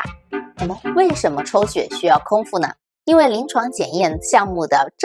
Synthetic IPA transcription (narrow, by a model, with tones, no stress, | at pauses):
nə˨˩mə˨we˥˩ɪʂə˧˥nmə˧ʈ͡ʂʰo˥ʊɕɥɛ̰˨˩ɕy˥jɑ˥˩ʊkʰʊ˥ŋfu˥˩nə̰˩ | i˥nwe˥˩ɪli˧˥ŋʈ͡ʂʰwɑ˧˥ŋt͡ɕjɛ˨˩njɛ˥˧nɕjɑ˥˧ŋmu˥˩d̪ə˩ʈ͡ʂ